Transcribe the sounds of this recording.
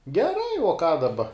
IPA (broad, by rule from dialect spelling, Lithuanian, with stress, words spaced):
ɡʲɛˈrɐɪ uɔ kɑː dɐˈbɐ